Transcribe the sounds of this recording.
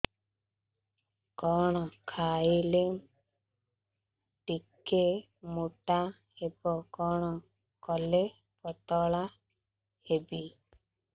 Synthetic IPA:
kɔɽ̃ɔkʰaːilem | ʈikːe | muʈa | hebɔkɔɽ̃ɔ | kɔle | pɔt̪ɔɭa | hebi

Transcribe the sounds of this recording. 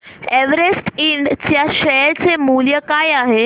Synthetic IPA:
ɛʋəɾesʈiɳɖt͡ɕjaɕɛɾt͡semuljəkajaɦe

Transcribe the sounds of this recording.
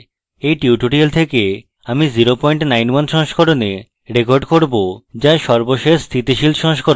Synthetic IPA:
ejʈiuʈuʈielt̪ʰeke | amiziɾopɔjɳʈnajnwanʃɔŋʃkʰɔɾone | ɾekoɾɖkoɾbod͡ʑaʃɔɾboʃest̪ʰit̪iʃilʃɔŋʃkɔɾo

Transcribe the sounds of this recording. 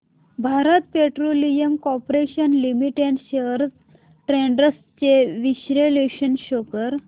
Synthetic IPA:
bʱaɾət̪̚peʈɾolijəmkɔpɾeɕənlimiʈeɳɖɕeəɾs | ʈɾeɳɖəs | t͡ɕeʋiɕɾeleɕənɕokəɾ

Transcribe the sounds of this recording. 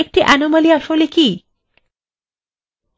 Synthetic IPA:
ek̚ʈiʔanomaliaʃoleki

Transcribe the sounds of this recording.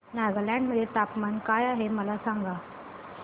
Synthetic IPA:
naɡalãɳɖməd̪ʱːjet̪apmankajaɦeməlasãŋɡa

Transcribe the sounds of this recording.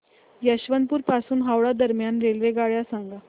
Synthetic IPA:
jəɕʋənpuːɾpasuːnɦawɭad̪əɾmjanɾelʋeɡaɭjasaŋɡa

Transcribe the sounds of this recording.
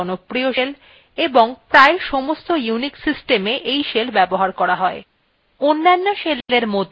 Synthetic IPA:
ɔnopɾioʃel | eboŋpɾaeʃɔmost̪ojuniksisʈemeʔejʃelbɛboɦaɾkɔɾaɦɔe | onːanːoʃelleɾmod̪ʱ

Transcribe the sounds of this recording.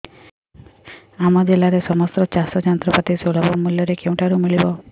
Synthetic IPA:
amɔd͡ʒelaɾesɔmɔst̪ɾɔt͡ʃasɔt͡ʃant̪ɾɔpat̪isoɭɔbɔmuljɔɾekew̃ʈaɾumiɭibɔ

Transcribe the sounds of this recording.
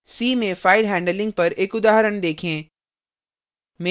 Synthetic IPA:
siːmẽfaːɪɖɦɛ̃ːɳɖəlɪ̃ŋɡ̚pɐɾeːkʊd̪aːɦɾəɽ̃d̪eːkʰẽː | me

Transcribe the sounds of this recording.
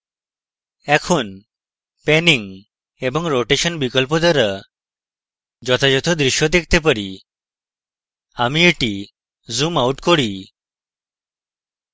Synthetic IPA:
ɛkʰon | pɛniŋ | ebɔŋɾoʈeʃɔnbikɔlpɔt̪aɾa | d͡ʒɔt̪ad͡ʒɔt̪ʰod̪ɾiʃjod̪ek̚t̪ep̬aɾi | amieʈi | zumawʈkoɽi

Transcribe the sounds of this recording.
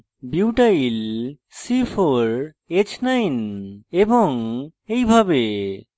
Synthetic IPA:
biwʈajil | sifʰoɾ | et͡ɕʰnajneboŋejbʱabe

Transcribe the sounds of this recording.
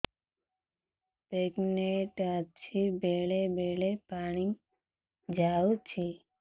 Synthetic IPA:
peːkneʈət͡ʃʰibeːɭebeːɭepaːɽ̃iŋ | d͡ʒaːut͡ʃʰi

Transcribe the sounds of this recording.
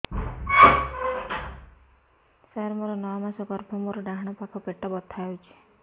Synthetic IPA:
saɾɔmoɾɔnɔɔmasɔɡɔɾbʰʱɔmoɾɔɖaɦɽ̃ɔpakʰɔpeʈːɔbɔt̪ʰːawt͡ʃʰi̥

